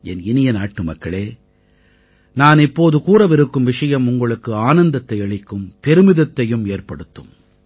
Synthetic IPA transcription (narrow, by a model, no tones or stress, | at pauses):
ɛ̰nɪnɪjɐnaːʈːɯmɐkːɐɭeː | naːnɪpːoːðɯkuːɾɐʋɪɾɯkːɯmʋɪʂɐjɐmʊŋɡɐɭɯkːɯaːnɐnd̪ɐt̪ːɐɪɐɭɪkːɯmpɛɾɯmɪðɐt̪ːɐjɯmeːrpɐɽɯt̪ːɯ̰m